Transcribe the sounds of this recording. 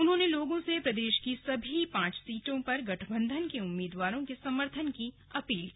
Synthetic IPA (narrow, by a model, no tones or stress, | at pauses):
ʊnɦõːneloːɡõsepɾɐd̪eːʃkisɐbʱipãːt͡ʃsiːʈõpɐɾɡɐʈʰbə̃nd̪ʱənkeʊmːiːd̪ʋaːɾõkesɐməɾt̪ʰənki | ɐpiːlkiː